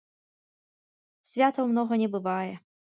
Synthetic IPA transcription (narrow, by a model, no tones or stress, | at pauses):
sʲvʲat̪əwmnɔɣənʲɛbɨvajɛ